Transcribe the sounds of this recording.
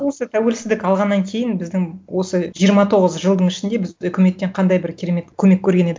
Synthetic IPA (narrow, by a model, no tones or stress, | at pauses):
osət̪ʰæwe̞lsɪzd̪ɪkɑlˠʁɑnːɑŋkʲʰe̞jɪnbɪzd̪ɪŋwo̞səʒijəɾmɑt̪ʰo̞ʁəzʒəlˠd̪əɴɪʃɪnd̪e̞bɪzɵkʲʰɪme̞t̪ːe̞ɴqʰɑnd̪ɑjbɪɾkʲʰeɾemet̪kʲʰɵme̞kʲːʰɵɾɡʲe̞ne̞d̪ɪ